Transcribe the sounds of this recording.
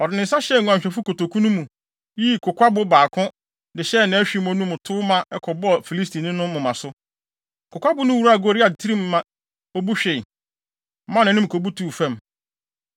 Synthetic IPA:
ɔ˨dɪ˨nɪ̃˨n˦sa˦ɕɛ˦˨ŋ˨ã˨m˨ɕᶣɛ˨fu˦ko˨to˨kʰũ˦nũ˦mũ˨ | ji˦kʰo˨kʰʷa˦bʊ˦baː˨kʰʊ̃˦ | dɪ˨ɕɛ˦˨nã˨˦æ˦ɕᶣi˦mɔ̃˨nũ˦mʊ̃˨tʰʊ˦mã˦ɛ˦kʰɔ˨bɔ˦˨fi˨li˦s̬ti˨nɪ̃˦nʊ̃˦mʊ̃˨mã˨sʊ˦ | kʰʊ˨kʷa˦bʊ˦nʊ̃˦wu˨˦ɾu˦a˨ɡo˦ɾɪ˦a˨tʰi˦ɾĩ˦mː˨ã˨ | o˦bu˦ɕᶣɪ˨˦ | mã˦nã˨˦nʊ̃˦m˨kʰo˨bu˦tʰuː˨fɛ̃˦˨m

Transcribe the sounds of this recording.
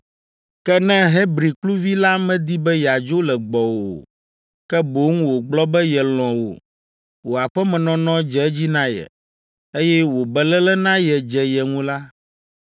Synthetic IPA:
kɛ˦nɛ̃˦ɦɛ˦bɾi˨klu˦vi˦la˦mɛ̃˦d̪i˦bɛ˦ja˨d͡ʒo˦lɛ˨ɡ͡bɔ˨wo̰˨ | kɛ˦bo˨˦ŋũ˦wo˨ɡ͡blɔ˦bɛ˦jɛ˨l̃ɔ̃˨wo̰˨ | wo˨a˨ɸɛ˦mɛ̃˨nɔ̃˦nɔ̃˦d͡ʒɛ˨˦d͡ʑi˦nã˦jɛ̰˨ | e˦jɛ˦wo˨bɛ˨lɛ˦lɛ˦nã˦jɛ˨d͡ʒɛ˨jɛ˨ŋũ˦la˦

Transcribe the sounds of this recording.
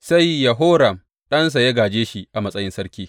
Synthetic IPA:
sa˦jːa˨ɦoː˦ɾɐ˨m | ɗɐ˦ns̬a˨ja˦ɡaː˨d͡ʒeː˦ʃi˦ʔa˨mɐ˦sʼɐ˦jɪ˦nsɐ˦ɾkʲiː˦

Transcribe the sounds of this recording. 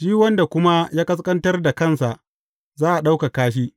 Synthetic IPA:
ʃi˦wɐ˦nda˨kʷʊ˦ma˦jaː˦kɐ˦s̬kʼɐ˦ntɐ˦rda˨kɐ˦˨nsa˨ʔ | zaː˦ʔa˨ɗa˦wka˨kaː˦ʃ̬iː˦

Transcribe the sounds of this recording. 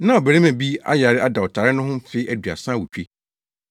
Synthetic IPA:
nã˦ɔ˨bæ˨ɾe˦mæ̃˨bi˦a̰˦ja˨ɾɪ˦ʔa˦da˨wɔ˨tʰa˨ɾɪ˦nʊ̃˦ɦʊ̃˦m˦fɪ˨˦ʔæ˨du˨a̰˨sã˦wu˨t͡ɕᶣe˦

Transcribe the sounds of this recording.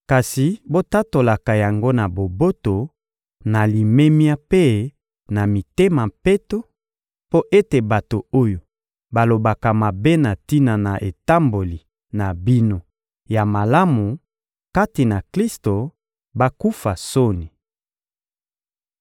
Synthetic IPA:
ka˨si˨bo˦ta˦to˨la˨ka˨ja˨ŋɡo˦na˨bo˨bo˦to˨ | na˨li˨me˦mja˦pe˦ | na˨mi˨te˦ma˨pe˦to˦ | po˦ʔe˦te˨ba˨to˨o˦jo˨ | ba˨lo˨ba˨ka˨ma˨be˦na˨ti˦na˨na˨ʔe˨ta˦mbo˨li˨ | na˨bi˦no˦ | ja˨ma˨la˦mu˨ | ka˦ti˨na˨kli˦sto˨ | ba˦ku˦fa˨so˦ni˨

